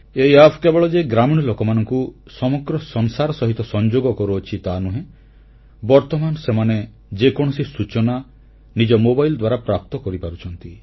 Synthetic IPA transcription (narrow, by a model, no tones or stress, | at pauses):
eiapʰkebɔɭɔd͡ʒeɡɾamiɽ̃ɔlokɔmanɔŋku | sɔmɔɡɾɔsɔŋsaɾɔsɔɦit̪ɔsɔnd͡ʒoɡɔkɔɾuɔt͡ʃʰit̪anuɦẽ | bɔɾt̪ɔmanɔsemane | d͡ʒekɔɽ̃ɔsisut͡ʃɔna | nid͡ʒɔmobajld̪waɾapɾap̚t̪ɔkɔɾipaɾut͡ʃʰɔnt̪i